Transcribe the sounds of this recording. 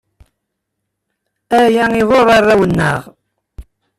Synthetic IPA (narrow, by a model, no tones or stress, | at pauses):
æjæŋiðoɾˤɑrˤːæwənːə̰ʁ